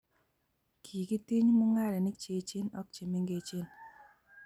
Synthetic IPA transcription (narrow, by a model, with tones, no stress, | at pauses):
kʰiː˨ki˦ti˦ɲmu˦ŋa˦ɾɛ˨nɪ˦k̚t͡ʃe˨t͡ʃɪ˦nɔ˦k̚t͡ʃi˨mɪ˦ŋɡe˨t͡ʃi˦n